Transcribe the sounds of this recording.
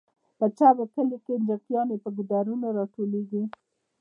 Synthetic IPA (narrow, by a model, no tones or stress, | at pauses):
pət͡ʃabakəlekend͡ʒəqjɑnepəɡʊd̪aɾunaɾɑʈoleɡi